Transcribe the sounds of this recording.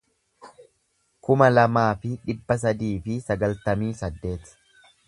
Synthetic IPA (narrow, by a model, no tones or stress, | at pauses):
kʊmɐlɐmaːfɪᶑɪbːɐs̬ɐd̪iːfɪsɐɡɐlt̪ɐmiːsɐd̪ːe̞ːt̪